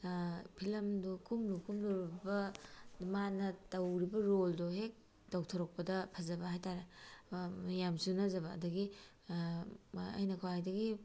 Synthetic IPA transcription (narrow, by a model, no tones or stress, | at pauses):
pʰilɐmdukʰumɾukʰumduɾbɐmanɐtɐwɾibɐɾoldoɦek̚ | dowtʰoɾɔk̚pɐdɐpʰɐzɐbɐhajtaɾe | jamsunɐzɐbɐ̰ːdɐɡi | ɐ̰jnɐkʰawajdɐɡi